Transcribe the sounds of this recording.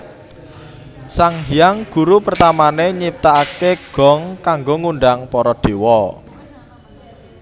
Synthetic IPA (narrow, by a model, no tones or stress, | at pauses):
saŋɦijaŋɡ̥ṳɾupərt̪amaneɲip̚t̪aakeɡ̥ɔ̤ŋkaŋɡoŋuɳɖaŋpɔɾɔd̪̥e̤wɔ